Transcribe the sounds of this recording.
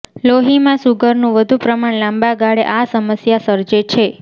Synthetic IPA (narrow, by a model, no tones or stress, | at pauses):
loɦimãsuɡəɾnũʋəd̪ʱupɾəmaɳlãmbaɡaɽeʔasəməsjasəɾd͡ʒet͡ʃʰe